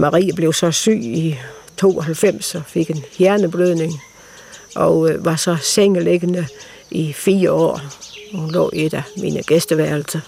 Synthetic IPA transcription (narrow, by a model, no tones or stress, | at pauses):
mɑ̈ʁḭːæb̥le̝ʊsɒ̽sy̰ːi | t͡sʰo̝̰ːɒɦælfem̰sɒ̽fe̝ɡ̥e̝nhjæɐnəb̥løð̰ˠne̝ŋ | ʔɒ̽ʋɑ̈sɒ̽seŋəleɡ̥ənə | ifiːɐɒ̰ːɒunlɔ̰ːe̝d̥æminəɡ̥esd̥əʋæɐlsɐ